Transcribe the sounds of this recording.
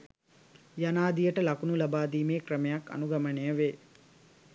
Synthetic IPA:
janaːd̪ijəʈəlɐkunulɐbaːd̪iːmeːkɾəmejakːɐ̰nuɡɐmənejəʋeː

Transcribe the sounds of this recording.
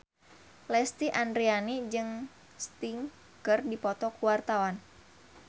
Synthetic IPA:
lɛst̪iʔandɾianid͡ʒɨŋ | st̪iŋ | kɨrdipɔt̪ɔkuwart̪awan

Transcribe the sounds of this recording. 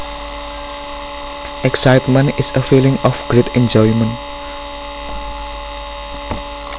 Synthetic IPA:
ʔɛksaɪtmə̃nɪsəfilɪ̃ŋɔfɡ̥ɹetʰɛ̃nd͡ʒɔjmə̃nt

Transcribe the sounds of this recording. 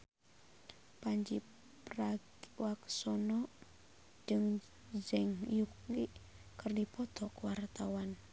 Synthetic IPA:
paɲd͡ʒi | praɡwaksɔnɔ | d͡ʒɨŋ | d͡ʒɛŋjuk̚liʔ | kɨrdipɔt̪ɔkuwart̪awan

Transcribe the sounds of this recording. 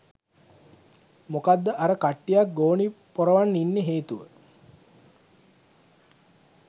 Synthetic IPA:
mokad̪ːəʔaɾəkaʈːijak̚ɡoːnipoɾəʋanːinːeɦeːt̪uʋə

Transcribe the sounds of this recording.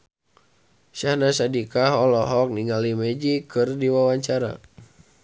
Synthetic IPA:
ʃahnasadikaɦɔlɔɦɔk̚niŋalimed͡ʒikɨrdiwawaɲt͡ʃaɾa̰

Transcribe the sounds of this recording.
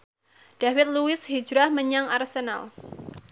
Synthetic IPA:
ɖ̥awɪt̪̚luɪshi̥d͡ʒɾahməɲaŋarsena̰l

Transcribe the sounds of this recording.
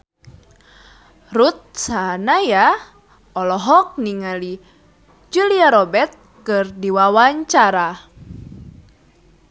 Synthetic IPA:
rut̪̚sanaja | ɔlɔɦɔk̚niŋali | d͡ʒuliaɾɔbɛt̪̚ | kɨrdiwawaɲt͡ʃaɾa

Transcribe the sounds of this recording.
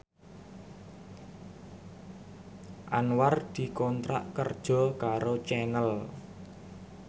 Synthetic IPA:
ʔanward̪̥i̤kɔnt̪ɾa̰ʔkərd̥ʒ̥ɔ̤kaɾot͡ʃɛnəl

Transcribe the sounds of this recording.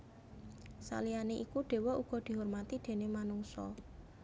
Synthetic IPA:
sa̰lianeʔikuɖ̥e̤wɔʔuɡ̥ɔ̤d̪̥i̤ɦormat̪id̪̥e̤nemanuŋsɔ̰

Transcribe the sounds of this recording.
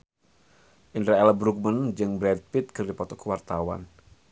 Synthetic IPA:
ʔind̪ɾaɛlabɾuk̚mənd͡ʒɨŋbɾɛd̪̚pit̪̚kɨrdipɔt̪ɔkəwart̪awa̰n

